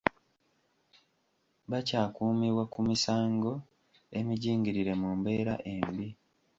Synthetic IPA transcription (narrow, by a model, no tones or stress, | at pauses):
βacaːkuːmiβwakumisaːŋɡo̞ | e̞miɟiːŋɟiɾiɾe̞muːmbe̞ːɾa̰ʔe̞mbi